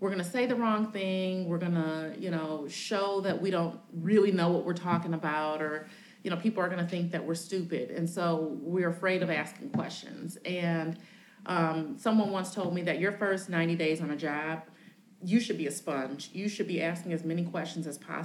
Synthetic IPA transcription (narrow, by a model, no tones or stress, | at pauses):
wɨɹɡʌñɨseɪðɨɹɔ̃ŋθɪ̃ŋwɪɹɡʌnəjɨñoʊʃoʊðɨʔ̚wiɾõʊ̃ntɹɪlˠinoʊwʌʔwɪɹtʰɔkɪ̃ŋəbaʊɾə˞ | jɨñoʊpʰipl̩ˠə˞ɡʌñɨθɪ̃ŋk̚ðɨʔ̚wɪɹstʉpɪ̰ɾɨ̰̃nsoʊwɪɹɨfɹeɪɾʌvæskɪ̃ŋkʰw̥ɛ̰st͡ʃɨ̰̃nz̥ɨ̃n | ʔʌ̃msʌ̃mwʌ̃nwʌ̃ntstʰoʊlˠd̚miðɨt͡ʃə˞fɜ˞snãɪ̃ñtideɪzn̩ɨd͡ʒɑb̥̚ | jɨʃɨd̚biɨspʌ̃nd͡ʒjɨʃɨd̚biʔæskɪ̃ŋɨzmɛñikʰw̥ɛst͡ʃn̩zɨz̥pʰɑ̰